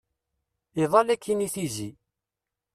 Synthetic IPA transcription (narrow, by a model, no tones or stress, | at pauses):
iðˤɑlækːiniθizi